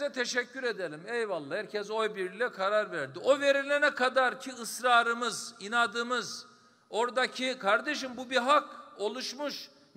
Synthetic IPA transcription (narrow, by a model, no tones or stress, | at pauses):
ɛt̪ʰeʃɛcʰːyɾe̞d̪elʲimɛjvalˠːaːhæɾcʰɛzo̞jbiɾilʲɛkʰaɾaɾvæɾd̪iʔo̞ve̞ɾilʲenɛkʰad̪aɾcʰiɯsɾaːɾɯmɯzinad̪ɯmɯz | o̞ɾd̪acʰikʰaɾd̪e̞ʃimbubiɦako̞lˠuʃmuʃ